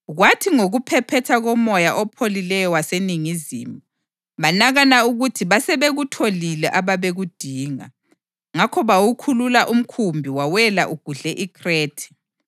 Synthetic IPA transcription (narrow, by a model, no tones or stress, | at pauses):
ɣwatʰiŋoɣupʰɛpʰɛtʰaɣɔmɔjaʔɔpʰolilɛjɔwaseniŋizḭːmu | βanaɣanauɣutʰiβasɛβeɣutʰolilɛʔaβaβeɣud̥ʱiːŋa̰ | ŋakʰɔβawukʰululaʔum̩kʰumbʱiwawɛlaʔuɡ̥ʱuɮɛʔikʰreːtʰɛ̥